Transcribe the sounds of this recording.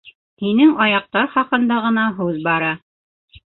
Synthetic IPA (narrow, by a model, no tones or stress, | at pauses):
hinɘŋɑjɑq̚t̪ɑɾχɑqɤ̆nd̪ɑʁɤ̆nɑɦʉðbɑɾɑ